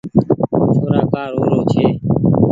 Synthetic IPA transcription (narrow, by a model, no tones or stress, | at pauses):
t̪ʰoːɾaːkaːɾoːɾoːt͡ʃʰeː